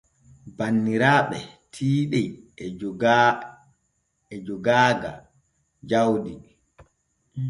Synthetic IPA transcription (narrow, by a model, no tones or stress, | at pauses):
banːiɾaːɓɛtʰiːɗɛjɡ | d͡ʒɔɡaːɡa̰ | d͡ʒawdi